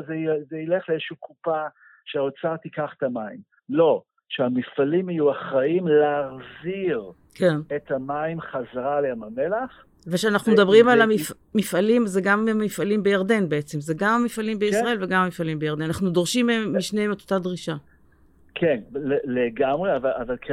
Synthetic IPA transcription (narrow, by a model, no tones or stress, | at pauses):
zezeileχleezʃukupa | ʃeot͡saʁt̪ikaχe̥tamaim | lo̞ | ʃeamifalimhajuaχʁaimleaʁziʁ | kʰenethamaimχazaʁaleamamelaχ | veʃeanaχnumd̪abʁimalamif | mifalimzeɡammifalimbejaʁd̪e̞nbeet͡se̞mzeɡamamifalimbeissʁae̞lveɡamamifalimbejaʁdenanaχnudo̞ʁʃimeːiʃnejemet̪ot̪ad̪ʁiʃa | kʰenleleɡamʁeavaavalkʰ